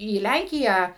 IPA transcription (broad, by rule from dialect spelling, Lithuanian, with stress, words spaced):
iː ˈlʲæŋʲkʲɪjæː